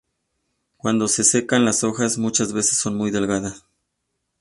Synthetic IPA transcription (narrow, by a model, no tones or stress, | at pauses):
kwand̪o̞se̞se̞kanlaso̞xasmut͡ʃazβe̞se̥sːo̞nmujðe̞lɣaðas